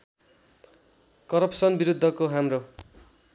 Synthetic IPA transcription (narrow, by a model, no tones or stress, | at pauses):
kʌɾʌpsʌnbiɾud̪ʱːʌkoɦamro